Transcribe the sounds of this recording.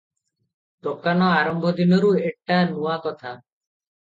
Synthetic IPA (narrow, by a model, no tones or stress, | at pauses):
d̪okanɔaɾɔmbʱɔd̪inɔɾuek̚ʈanuakɔt̪ʰa